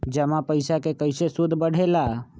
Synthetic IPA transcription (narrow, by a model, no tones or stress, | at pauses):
d͡ʒəmapəjsakekəjsesud̪ʱbəɽ̤ela